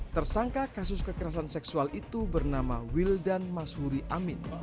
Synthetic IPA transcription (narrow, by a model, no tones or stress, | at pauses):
t̪ərsaŋkakasʊskəkəɾas̬ansɛksualʔit̪ubərnamawildanmasuɾiʔamɪn